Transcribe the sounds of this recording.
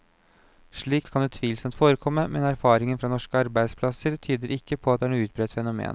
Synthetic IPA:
ʂɭiːk̪kʰɑnd̪ʉːt̪ʰʋiːlsəmt̪foːɾəkʰɔmːəmɛnæɾfɑːɾɪŋənfɾɑnɔʂkəɑɾbæɪspʰlɑsəɾt̪ʰyːd̪əɾʔɪkːəpʰɔɑt̪̚d̪ɛæːnuːʉːt̪̚bɾɛːt̪fɛnʊmḛːn

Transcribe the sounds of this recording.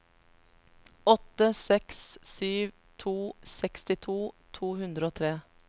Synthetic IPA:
ɔt̪əsɛkssyːʋ | t̪ʰuːsɛkst̪ɪt̪ʰuːt̪ʰuːhʉnd̪ɾəoːt̪ʰɾeː

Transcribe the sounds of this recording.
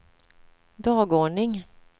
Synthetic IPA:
d̪ɑːɡoːɳɪŋ

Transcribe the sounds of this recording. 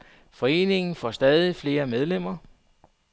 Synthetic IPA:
fɒ̽e̝̰ːne̝ŋn̩fɒsd̥ɛːð̞ˠifle̝ːɐmeð̞ˠlem̰ɐ

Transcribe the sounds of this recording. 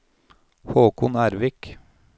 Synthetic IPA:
hoːkʰʊnæːɾʋɪk

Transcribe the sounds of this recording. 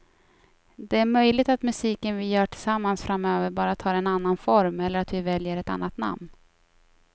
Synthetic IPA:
d̪ɛæɾmœjlɪɡt̪at̪mɵsiːkənvɪjœːʈʰɪ̥samːansfɾamøːvəɾbɑːɾat̪ʰɑːɾɛnanːanfɔɾmɛlːəɾat̪vɪvɛljəɾɛt̪a̰nːat̪na̰mn

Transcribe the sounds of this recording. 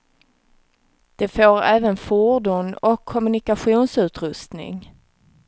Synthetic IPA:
d̪̥ɛfoːɾɛːvənfuɖunɔkʰːɔmɵnɪkaɧuːnsʉ̟ːt̪ɾɵst̪nɪ̰ŋ

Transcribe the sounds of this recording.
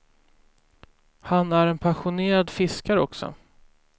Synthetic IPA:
hanæɾɛnpʰaɧʊneːɾad̪fɪskaɾɔksɔ̰

